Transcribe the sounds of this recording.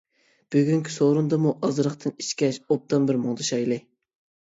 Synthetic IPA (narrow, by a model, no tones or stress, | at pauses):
b̥øɡʲyŋkʲʰi̥soɾund̪ɑmuʔɑzɾəχt̪ʰɨniʃkʲɛʃop̚t̪ɑnbɪɾmoŋd̪ɨʃɑjlˠɨ